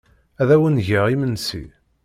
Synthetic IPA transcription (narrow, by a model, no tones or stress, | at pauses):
æðæwənʝəʁimənsḭ